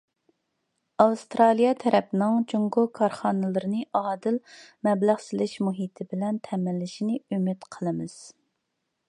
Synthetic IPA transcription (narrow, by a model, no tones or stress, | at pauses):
ɑwst̪ɾɑlˠijɑt̪ʰɛɾʔɛpnɪŋd͡ʒoŋɡokʰɑɾχɑːnɨlˠɨɾɨnɨʔɑːd̪ɨlmɛblæʁsɪlɪʃmuɦit̪ʰɪbɪlɛnt̪ʰɛmɪlːɪʃinɪymɪt̪qʰəlˠɨmɨz̥